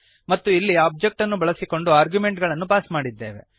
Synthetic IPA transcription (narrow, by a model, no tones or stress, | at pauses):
mɐt̪ːuilːiaːb̚d͡ʒek̚ʈɐnːubɐɭɐsiko̞ɳɖuaːɾɡjume̞ɳʈɡɐɭɐnːupaːsmaːɽid̪ːe̞ːʋe̞̰